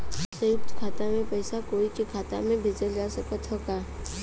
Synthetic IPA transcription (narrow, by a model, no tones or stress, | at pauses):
səjʊp̚t̪kʰaːt̪amẽpɛɪsakoːikekʰaːt̪a̰mẽbʱed͡ʒəld͡ʒaːsəkət̪ɦoːkaː